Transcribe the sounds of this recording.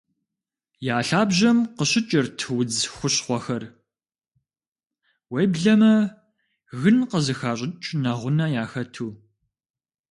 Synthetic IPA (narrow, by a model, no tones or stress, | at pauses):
jaːɬaːbʑɐmqəɕɪt͡ʃʼɪrtʰɨwʊd͡zxʷʊɕχʷɔxɐr | wejbɮɐmɐ | ɣɨnqəzɨxaːɕʼɪt͡ʃʼnɐʁʷʊnɐjaːxɐtʰuː